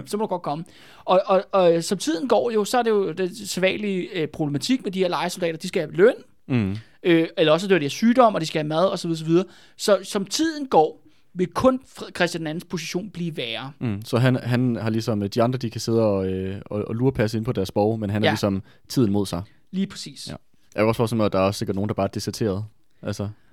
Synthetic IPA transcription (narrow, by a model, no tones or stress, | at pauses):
sɒ̽mod̥uɡɒ̽d̥̚kʰɒ̽mə | ɒ̽ɒ̽sɒ̽mt͡sʰið̞̰ˠn̩ɡ̥ɒ̰ːjo̝sɒ̽æɐde̝jo̝d̥enseʋɛ̰ːnliøpʰʁob̥le̝mæt͡sʰiɡ̥̚medihe̝ɐ̰lɑ̈ɪso̝ld̥ɛ̰ːɾɐd̥isɡ̥æhæ̥løn̰ | øelɐɒ̽s̬əd̥øɐd̥eiæɐsyːd̥ɒ̽m̰ɒ̽d̥isɡ̥æhæmæð̞ˠɒ̽sɒ̽ʋiðˠsɒ̽ʋið̞ˠɐː | sɒ̽sɒ̽mt͡sʰið̞̰ˠn̩ɡ̥ɒ̰ː | ʋe̝kʰɔ̽nfkʰʁɛsd̥jæ̥næn̩spʰo̝siɕo̝̰ːnb̥liːʋæːɐsɒ̽ɦænɦænhɑ̈lisɒ̽md̥iɑ̈nd̥ʁɐd̥ikʰæse̝ð̞̰ˠəɒ̽øɒɒluːɐpʰæs̬əe̝npʰɒ̽d̥æɐsb̥ɒʊmenɦænhɑlisɒ̽m | t͡sʰið̰ˠn̩mo̝ð̞̰ˠsɑ̈ɪ | liːpʰʁɛsḭːs | jɑɐɡɒ̽sfɒːsemd̥ɑ̈æɐɒsːeɡɐd̥no̝ːn̩dɑ̈bɑ̈ːæɐd̥isɛɐt͡sʰe̝̰ːɐð̞̩ˠ | ʔælsɒ